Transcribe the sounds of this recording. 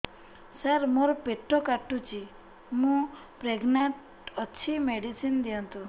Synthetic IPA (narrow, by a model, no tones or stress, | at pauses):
səɾmoɾɔpeʈʰːɔkaʈːut͡ʃi | mũ | pɾeɡnaɳʈ | ɔt͡ʃʰimeɽisind̪iɔnt̪ũ